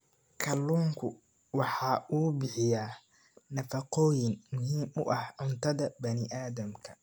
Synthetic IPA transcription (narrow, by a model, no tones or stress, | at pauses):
kʰɐlːuːŋkʰʊ | wɑħɑːʔuːbɪħɪjaː | nɐfɐqɔːjɪŋmʊɦiːmʊ̰ʔɐhʕʊnt̪ʰɐðɐbɐnɪʔaːðɐmkʰɐ̥